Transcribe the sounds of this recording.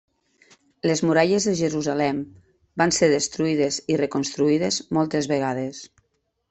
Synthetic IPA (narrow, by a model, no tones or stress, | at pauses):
lezmuɾaʎezðeʒəɾuzalɛm | banseɾðest̪ɾuiðezirekonst̪ɾuiðezmɔlˠt̪ezβeɣ̞að̞es